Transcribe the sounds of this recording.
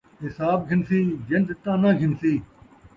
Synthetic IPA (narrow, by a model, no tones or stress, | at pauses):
ɦɪsaːb̚ɡʱɪnsiːd͡ʒɐndɪt̪ãːnãːɡʱɪnsiː